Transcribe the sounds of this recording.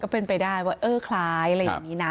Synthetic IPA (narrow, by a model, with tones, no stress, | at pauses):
kɔː˥˩pe˧npa˧jdaː˥˩jwaː˥˩ʔɤː˥˩kʰlaː˦˥jɾa˧˩ja̰˩˨˩ŋːniː˦˥na˦˥